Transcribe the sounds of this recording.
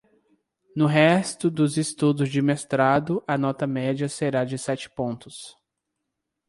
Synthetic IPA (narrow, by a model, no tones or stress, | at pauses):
nʊɦɛst̪ʊd̪ʊzɪst̪ud̪ʊzd͡ʒɪmest̪ɾad̪ʊʔɐnɔt̪ɐmɛd͡ʒɐseɾad͡ʒɪsɛt͡ʃɪ̥põnt̪ʊs